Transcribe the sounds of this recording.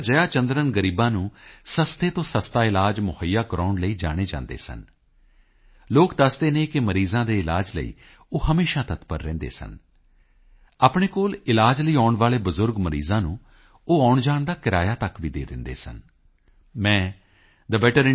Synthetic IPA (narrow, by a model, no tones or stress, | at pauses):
d͡ʒəjaːt͡ʃənd̪ɾənɡəɾiːbãːnũːsəst̪eːt̪õːsəst̪aːɪlaːd͡ʒmʊhəjːaːkəɾaːɳləiːd͡ʒa̰ːɽ̃eːd͡ʒã̰ːnd̪ḛːsə̰n | loːkd̪əsd̪eːneːkɪməɾiːzãːd̪eːɪlaːd͡ʒlə̰ḭː | oːhəmeːʃaːt̪ət̪pəɾːɛ̰̃ːnd̪ḛːsə̰n | aːpɳeːkoːlɪlaːd͡ʒləiːaːʊɳʋaːleːbəzʊɾɡməɾḭːzãːnũː | oːaːʊɳd͡ʒaːɳd̪aːkɪɾa̰ːjaːt̪əkʋiːd̪ḛːd̪ɪ̰nd̪ḛːsə̰n | mɛ̃ː | d̪əbɛːʈəɾɪ